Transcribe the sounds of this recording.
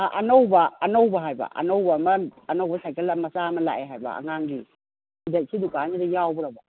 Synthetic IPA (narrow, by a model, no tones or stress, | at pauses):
aʔɐnowbaːnowbaɦajba̰ʔɐ̰nowbamɐːnowbɐsajkelamɐsamɐla̰eɦajbɐ̰a̰ŋaŋɡi | idaj̚sʰidukanidɐjawbɔɾabɐ